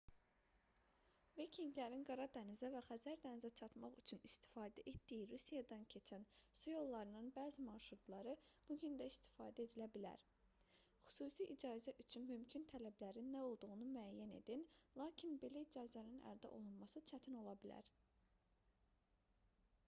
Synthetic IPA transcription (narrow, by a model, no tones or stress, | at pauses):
vicʰiŋɡlæɾinɡɑɾɑd̪ænizævæχæzæɾd̪ænizæt͡ʃʰɑt̪mɑχyt͡ʃʰynist̪i̥fɑːd̪æʔe̞t̪d̪ijiɾusijɑd̪ɑncʰe̞t͡ʃʰænsujo̞lˠːɑɾɯnɯnbæːzimɑɾʃɾut̪ʰlˠɑɾɯb̥uɟynd̪æist̪i̥fɑːd̪æe̞d̪ilæbilæ̰ɾ | χy̥suːsiʔid͡ʒɑːzæʔyt͡ʃʰynmymcʰynt̪ʰælæblæɾinːæo̞lˠd̪uʁunumyæjːæne̞̰d̪inlˠɑːcʰinbe̞læid͡ʒɑːzæninæ̰ld̪æ̰ʔo̞̰lˠunmɑsɯt͡ʃʰæt̪ʰino̞lˠɑbilæ̰ɾ